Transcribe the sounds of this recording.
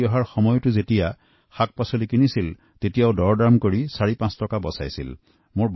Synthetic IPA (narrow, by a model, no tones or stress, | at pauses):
ɔɦaɹxɔmɔjtʊzetija | xak̚pasolikinisil | tetijaʊdɔɹdamkoɹisaɹipãstɔkabɔ̰sajsḭl | moɹb